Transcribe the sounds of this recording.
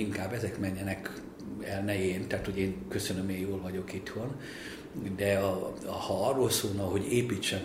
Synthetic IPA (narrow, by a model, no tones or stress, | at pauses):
iŋkaːbɛzɛkmɛɲːɛnɛk | ɛlnɛjeːnt̪aːt̪ho̞ɟeːŋkø̞sønømeːjjoːlvɒɟo̞kit̪ho̞n | d̪ɛɒhɒɒrːoːlsoːlnɒɦo̞ɟeːpiːt͡ʃːɛn